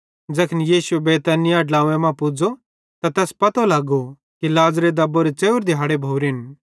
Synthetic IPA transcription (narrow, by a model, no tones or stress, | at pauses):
d͡ʒɐkʰnjiːsʊebeːt̪ɐnɪjaɖlaːʋɛ̃mãpʊd͡ʒo | t̪at̪ɛːspɐt̪olaːɡo | kilaːzɾed̪ɐboɾet͡ʃeːʊɾd̪ɪɦaːɽebʱoːɾɪn